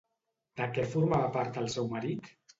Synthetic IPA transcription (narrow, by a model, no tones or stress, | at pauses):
d̪̥əkɛfuɾmaβapaɾt̪əlˠsɛwməɾit̪